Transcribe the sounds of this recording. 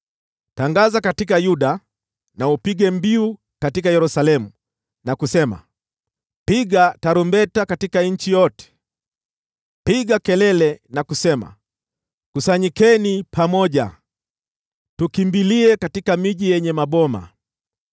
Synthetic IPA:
taŋɡazakatikajuɗa | naupiɡɛmbiu | katikajɛɾusalɛmu | nakusɛma̰ | piɡataɾumbɛtakatikaɲ̩t͡ʃijɔtɛ̥ | piɡakɛlɛlɛnakusɛma̰ | kusaɲikɛnipʰamɔʄa̰ | tukimbiliɛkatikamiʄijɛɲɛmaɓɔma̰

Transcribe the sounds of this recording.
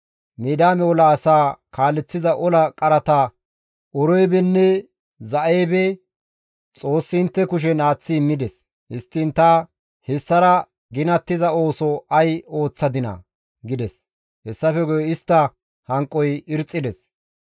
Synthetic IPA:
miːd̪aːmɛɔlɐːsaːkaːlːɛt͡sːɪzɐʔɔlɐkʼɐɾɐt̪ɐ | ɔɾɔjbɛnːɛ | zɐʔeːbɛ | t͡sʼo̞ːsːɪɪnt̪ːɛkʊʃ̬ɛnaːt͡sːɪmːɪd̪ɛs | hɪst̪ːɪnt̪ɐ | hɛsːɐɾɐ | ɡɪnɐt̪ːɪzɐo̞ːsɔɐjo̞ːt͡sːɐd̪ɪnɐ̰ | ɡɪd̪ɛs | hɛsːɐfɛɡɔjɔɪst̪ːɐ | hɐŋkʼːɔjɪɾt͡sʼːɪd̪ɛs

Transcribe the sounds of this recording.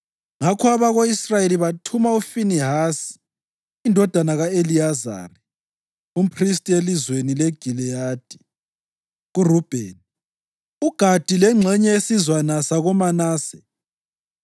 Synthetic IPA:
ŋakʰɔaβaɣoisrajeliβatʰumaufiniɦasi̥ː | ndʱɔd̥ʱanaɣaeliaza̰ːri | um̩pʰristʼielizwenileɡ̥ʱilɛjaːd̥ʱi̥ | ɣurub̥ʱḛːn | uɡ̥ʱad̥ʱilɛŋ͡ǁʱɛɲɛesizwanasaɣumanaːsɛ̥

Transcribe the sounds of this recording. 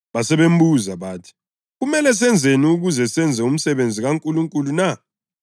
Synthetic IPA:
βasɛβem̩buzaβaːtʰi̥ | ɣumɛlɛs̬ɛnd͡zʱeniuɣuzɛsɛnd͡zʱɛum̩sɛβend͡zʱiɣaŋkʼuluŋkʼuluna

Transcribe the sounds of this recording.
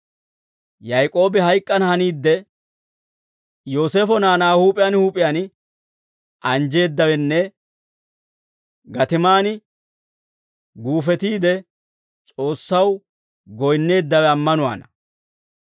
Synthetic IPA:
jɐjkʼo̞ːbɪhɐjkʼːɐnhɐniːd̪ːɛ | jo̞ːse̞ːfɔnaːnaːhuːpʼɪjanhuːpʼɪjanɪ | ɐnd͡ʒe̞ːd̪ːɐwɛnːɛ | ɡɐt̪ɪmaːnɪ | ɡuːfɛt̪iːd̪ɛ | t͡ʃʼo̞ːsːɐw | ɡɔjnːe̞ːd̪ːɐwɛɐmːɐnʊwa̰ːnɐ

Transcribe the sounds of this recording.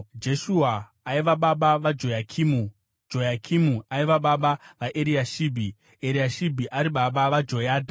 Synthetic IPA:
d͡ʒe̞ʃuaː | iʋaɓaɓaʋad͡ʒojakʰimu | d͡ʒo̞jakʰimuaiʋaɓaɓaʋaʔeɾiaʃiːbʱi | eɾiaʃibʱiʔaɾiɓaɓaʋad͡ʒo̞jaːdʱa

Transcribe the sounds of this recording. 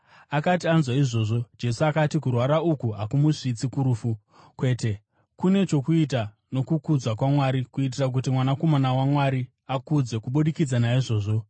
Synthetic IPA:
akat̬ianzwaiʐo̞ʐo̞d͡ʒe̞suakatikurwaɾaukuɦakumuʂit͡sikuɾufu | kwe̞ːte̞ | kune̞t͡ʃo̞kuit̬a | no̞kukud͡zwakwamwaɾikuit̬irak̬utimwanako̞manawamwaɾi | akud͡ze̞kuɓuɗikid͡zanaiʐo̞ːʐo̞

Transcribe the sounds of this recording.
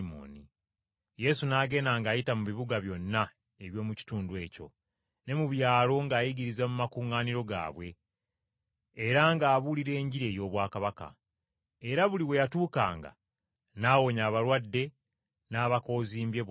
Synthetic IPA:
mo̰ni | je̞sunaːɡe̞ːnaŋɡaːjitamuβiβuɡaβjo̞nːa | e̞βjo̞ːmuci̥tuːndwe̞ːco̞̰ | ne̞muβjaːlo̞ŋɡaːjiɡiɾizamumakuːŋaːniɾo̞ɡa̰ːβwe̞ | eɾaŋɡaːβuliɾe̞ːɲɟiɾe̞ːjo̞ːβwaːkaβaka̰ | eɾaβuliwe̞jatuːka̰ːŋɡa̰ | naːwo̞ɲaːβaɾwadːe̞ | naːβako̞ːziːmbje̞

